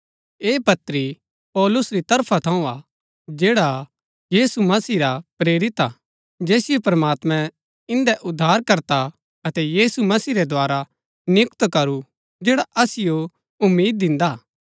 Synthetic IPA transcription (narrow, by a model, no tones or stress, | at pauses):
eːpɐt̪ːɾi | pɔːlʊsɾit̪ɐɾpʰat̪ʰɐ̃ũa | d͡ʒeːɽa | jiːsumɐsiːɾapɾeːɾɪt̪a̰ | d͡ʒɛːsɪjopɐɾmaːt̪mɛ̃ | ɪ̃nd̪ɛʔʊd̪ʱːaːɾkɐɾt̪a | ɐt̪ɛjiːsumɐsiːɾɛd̪ʱoaːɾa | nɪʊkt̪kɐɾu | d͡ʒeːɽaʔɐsɪjo | ʊmːiːd̪̚ːɪ̃nd̪a